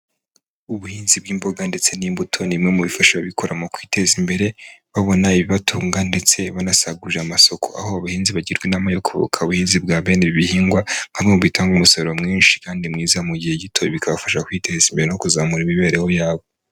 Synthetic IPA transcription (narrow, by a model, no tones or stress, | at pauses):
uβuhiːnzib̚ɡiːmbo̞ɡande̞t͡se̞nimbutʰonimŋe̞muβifaʃaβaβikʰo̞ɾamokwiːtezimbe̞ɾe̞βaβo̞naiβiβatʰuːŋɡande̞t͡se̞βanasaɡuʒeamasokʰo̞̰a̰hoaβahiːnziβaɟiɾɡwenamajokʰoβo̰kʰauβuhiːnzibɡaːβe̞neβiβihiːŋɡwaŋ̥hamŋemuβitaːŋɡumusoɾomŋiːnʃi̥kaːndimŋiːzamuɟihe̞ɟitʰoβikaβafaʃakwite̞zimbe̞ɾenokuzamuɾimiβe̞ːɾehojaːβo